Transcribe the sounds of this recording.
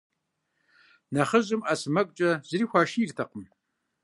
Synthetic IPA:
nɐχəʑʼɪmʔɐsɨmɐkʷʼt͡ʃʼɐzɨriːxʷaːʃiːrtʰɐqəm

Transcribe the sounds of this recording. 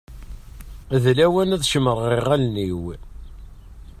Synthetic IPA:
ðlæwænæðʃəməɾˤʁiʁælniw

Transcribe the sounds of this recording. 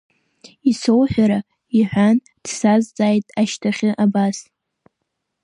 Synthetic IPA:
isowħʷᶣaɾa | iħʷᶣan | d̥sazd͡zʼaːjtʼaʃtʰaχʲɪʔabas

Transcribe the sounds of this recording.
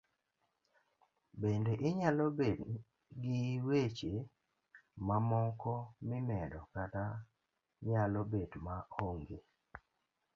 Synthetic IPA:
bendeʔɪɲalobed | ɡɪwet͡ʃe | mamɔŋkɔmɪmɛdɔkata | ɲalɔbedmaoŋɡe

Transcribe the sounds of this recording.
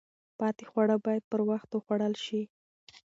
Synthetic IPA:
pɑt̪e̥xwaɽəbɑjad̪̚pəɾwaxt̪wəxwaɽəlʃi

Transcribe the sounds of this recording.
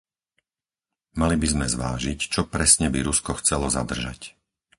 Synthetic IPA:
malibizmɛzʋa̰ːʒict͡ʃɔpɾɛsɲɛbiɾuskɔxt͡sɛlɔza̰d̪r̩ʒa̰c

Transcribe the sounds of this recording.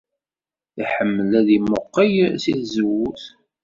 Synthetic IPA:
iħəmːəlæðimʊqːəjsiθzəwuθ

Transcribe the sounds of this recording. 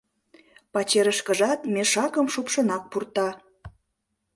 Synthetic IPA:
pɑt͡ɕeɾəʃkəʒɑt̪meʃɑkəmʃupʃə̆nɑk̚purt̪ɑ

